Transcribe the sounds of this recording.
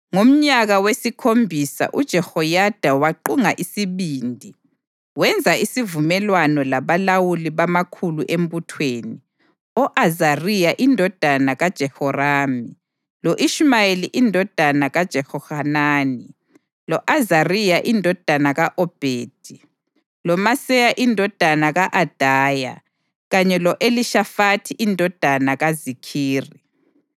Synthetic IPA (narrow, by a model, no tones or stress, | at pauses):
ŋom̩ɲaɣawesikʰombʱisa̰ʔud̥ʒ̥ʱɛhɔjad̥ʱawaǃuŋaʔisiβiːndʱi | wɛnd͡zʱaisivumɛlwanɔlaβalawuliβamakʰuluʔem̩butʰweːni | ɔʔazarijaʔindʱɔd̥ʱanaɣad̥ʒ̥ʱɛhɔraːmi | loʔiʃmajeliʔindʱɔd̥ʱanaɣad̥ʒ̥ʱɛhɔhanaːni | lɔʔazarijaʔindʱɔd̥ʱanaɣaʔɔb̥ʱeːd̥ʱi | lɔmasɛjaʔindʱɔd̥ʱanaɣaʔad̥ʱaːja̰ | ɣaɲɛlɔʔeliʃafatʰiʔindʱɔd̥ʱanaɣazikʰiːri